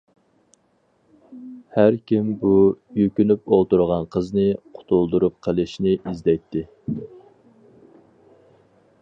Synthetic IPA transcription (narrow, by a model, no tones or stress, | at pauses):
hæɾkʲʰimbujøkʲynypolˠt̪uɾʁɑnqʰəznɨqʰʊ̥t̪ʰulˠd̪uɾup̚qʰəlˠɨʃnɪʔizd̪ɛjt̪ʰːɪ